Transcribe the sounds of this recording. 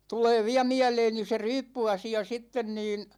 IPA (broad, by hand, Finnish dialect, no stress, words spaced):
tuleː ʋiæ miæleːni se ryːpːyɑsiɑ sitːen niːn